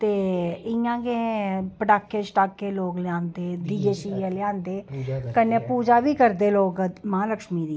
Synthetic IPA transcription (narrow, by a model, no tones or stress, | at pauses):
t̪eːɪjãːɡẽpəɖaːkːeːt͡ʃʈaːkːeːloːɡlɪjãːnd̪eːd̪id͡ʒeʃiːaːlɪjãːnd̪eːkənːẽːpuːd͡ʒaːʋiːkəɾd̪eːloːɡmãːləkʃmiːd̪iː